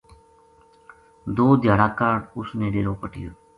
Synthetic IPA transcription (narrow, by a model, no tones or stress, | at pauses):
d̪oːd̪ʱjaːɽaːkəɖʊsnẽːɖeːɾoːpəʈɪjoː